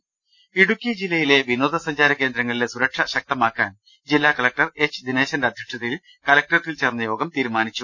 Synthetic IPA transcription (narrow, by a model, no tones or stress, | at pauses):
iɽukːid͡ʑilːɐjile̞ʋino̞ːd̪ʱɐsɐɲd͡ʑaːɾɐke̞ːnd̪ɾɐŋːɐɭile̞suɾɐkʂɐɕɐk̚t̪ɐmaːkːaːn | d͡ʑilːaːkɐlɐk̚ʈɐre̞t͡ɕːɨd̪ineːɕɐndɐd̪ʱjɐkʂɐðil | kɐlɐk̚ʈɐrt̪ːilt͡ɕernːɐjo̞ːɡɐmt̪iːɾumaːnit͡ɕːu